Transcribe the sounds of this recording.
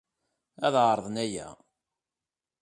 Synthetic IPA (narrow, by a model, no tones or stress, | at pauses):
æðʕɾˤðˤnæjæ̰